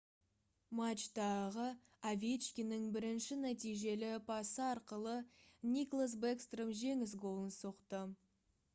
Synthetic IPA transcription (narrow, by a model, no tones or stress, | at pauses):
mat͡ʃt̪ɑʁə | avʲet̪t͡ʃkʲinɪŋbɪɾɪnʃɪnæt̪ijʒe̞lɪbʰɑsəɑɾqəlˠənʲiklˠasbekst̪rəmʒe̞ŋɪs̬ɡo̞lˠənsoqt̪ə